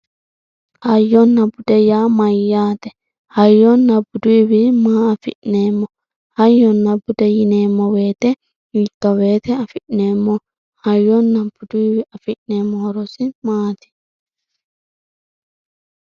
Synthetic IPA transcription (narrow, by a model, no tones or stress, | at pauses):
hajɔnːabudɛjamajːaːt̪ɛ | hajɔnːabuduiwimaːfḭʔnɛmɔ | hajɔnːabudɛjinɛmɔwɛt̪ɛ | it̪ːɔwɛt̪ɛafiʔnɛmɔ | hajɔnːabuduiwiafiʔnɛmːɔhɔɾɔsimaːt̪i̥